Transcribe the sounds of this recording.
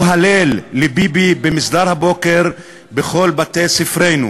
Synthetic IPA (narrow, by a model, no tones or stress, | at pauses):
ɦalelːebibibemisd̪aʁhabokeʁ | beχo̞lbat̪ejsifʁejnṵ